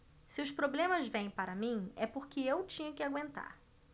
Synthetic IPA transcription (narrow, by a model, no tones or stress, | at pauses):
sɪʊspɾoblẽmɐzvẽj̃paɾɐmĩɛpʊɾkɪewt͡ʃĩɲɐkɪaɡwẽnt̪a̰ɾ